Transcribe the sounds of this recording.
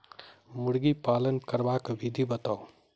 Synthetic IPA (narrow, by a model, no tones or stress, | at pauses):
mʊɽɡipaːlənkəɾbakbid̪ʱibɐt̪aːo